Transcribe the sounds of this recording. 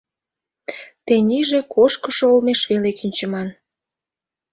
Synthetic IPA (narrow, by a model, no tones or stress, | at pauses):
t̪enʲiʒekʰoʃkəʃoolmeʃβelekinʲt͡ɕəmɑn